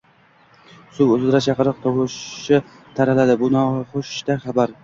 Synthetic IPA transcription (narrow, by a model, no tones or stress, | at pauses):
sʊwɵzɪzɾat͡ʃʰɑqɨɾɨq̚t̪ʰowʊʃɪ | t̪ʰaɾalad̪ɪbʊnɒχʊʃt̪aχɑbaɾ